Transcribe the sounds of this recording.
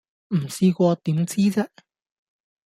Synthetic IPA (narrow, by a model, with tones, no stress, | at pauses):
m̩˨˩siː˧kʷɔː˧t̪iː˨˥mt͡siː˥t͡sɛː˥